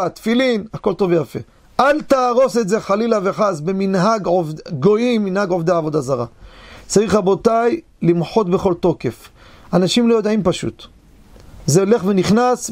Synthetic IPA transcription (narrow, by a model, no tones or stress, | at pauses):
at̪filinako̞lt̪o̞vejafe̞̰ | ʔalt̪aːʁo̞setze̞χalilaveħasbeminɦaɡʕovdɡo̞imːinhaɡʕovd̪aavo̞d̪azaʁa̰t͡saʁiχabo̞t̪aj | limħo̞t̪be̞χo̞lt̪o̞ke̞f | anaʃimlojod̪aʕimpaʃṵt̪ | zeole̞χve̞niχnas